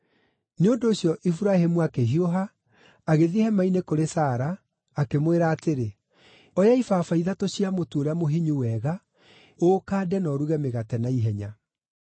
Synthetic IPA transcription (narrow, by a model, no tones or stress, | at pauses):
neondoːɕjɔʔifuɾahemuakeɦioɦa | aɣeðihɛmainekoɾesaːɾaː | kemweɾaːteɾe | ɔjaifaːfaiðatoɕiamotuoɾeamoɦiɲuwɛɣa | okaːdɛnɔɾuɣɛmeɣatɛnaiɦɛɲa